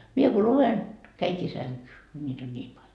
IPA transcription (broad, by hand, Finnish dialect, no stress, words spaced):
mie ko luʋen kæiŋkiː sæŋkyː ko nʲiːt on nʲiːm pɑlʲ